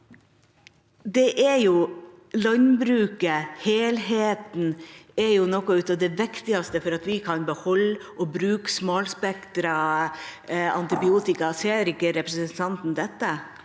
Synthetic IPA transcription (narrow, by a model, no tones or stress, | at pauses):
d̪ɛʔɛɾjʊ | lɑnbɾʉːkəheːlɦeːt̪n̩ɛɾjʊnɔkːɔʉːt̪ɑʋd̪ɛʋɪkt̪ɪɑst̪əfɔɾɑt̪ʋɪkʰɑnbəhɔlːʔɔbɾʉːksmɑːlspɛkt̪ɾɑ | ɑ̰nt̪ɪbɪuːt̪ɪkɑseːɾɪkːəɾɛpɾɛsənt̪ʰɑnt̪n̩d̪ɛt̪ːə